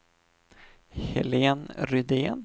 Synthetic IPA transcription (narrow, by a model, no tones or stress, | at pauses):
hɛ̰leːnɾʏd̪eːn